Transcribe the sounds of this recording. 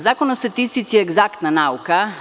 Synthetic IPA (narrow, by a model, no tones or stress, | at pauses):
zakonost̪at̪ist̪it̪siɛɡzakt̪nanauka